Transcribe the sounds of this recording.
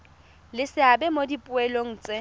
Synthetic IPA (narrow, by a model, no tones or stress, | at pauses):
lɪsɪabɛmodipʼʊɛloŋ̩ːt͡sʼɪ